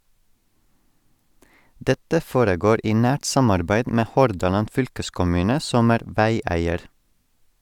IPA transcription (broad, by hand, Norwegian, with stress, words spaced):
ˈdɛtə ˈfoːɾəˌɡoːɾ ˈiː ˈnæːʈ ˈsɑmɑɾbæɪd ˈmeː ˈhɔɾdɑlɑn ˈfʏlkəskʊˌmʉːnə ˈsɔm ˈæːɾ ˈʋæɪˌæɪəɾ